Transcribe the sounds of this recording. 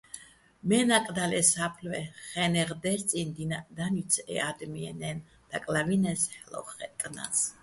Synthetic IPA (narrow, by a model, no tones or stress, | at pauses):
mɛnakʼd̪alɛsapʰlwɛχɛnɛʁd̪ɛst̪sʼind̪inad̪anit̪sʰɛ̰ad̪miɛ̰nɛn | d̪̥akʼlavinɛshɛlɔ̰χɛt̪ʼna̰s